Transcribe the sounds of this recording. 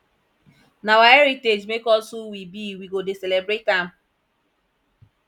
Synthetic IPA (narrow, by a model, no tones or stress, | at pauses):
nawaeɾited͡ʒmekɔsuwibiwiɡodeselebɾetam̩